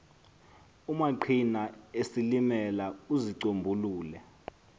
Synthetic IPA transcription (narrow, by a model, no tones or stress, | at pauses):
umaǃʰinaesilimɛlauziǀombʱuluːlɛ